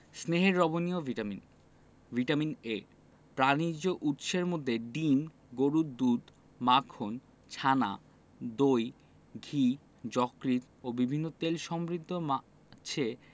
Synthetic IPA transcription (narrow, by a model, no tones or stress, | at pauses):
sneɦeɾːɔboniovimin | vʱiʈamine | pɾanid͡ʑoʔut̪ʃeɾmod̪ʱːeɖim | ɡoɾud̪ud̪ | makʰon | t͡ɕʰana̰ | d̪oj | ɡʱi | d͡ʑɔkɾit̪ | obibʱinːot̪elʃɔmɾid̪ʱːoma | t͡ɕʰe